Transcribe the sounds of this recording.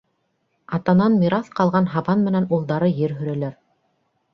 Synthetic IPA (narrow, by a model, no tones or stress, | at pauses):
ɑt̪ɑnɑnmʲiɾɑθqɑlˠʁɑnɦɑβɑnmɘ̆nænulˠd̪ɑɾɤjɘɾɦɵ̆ɾælæɾ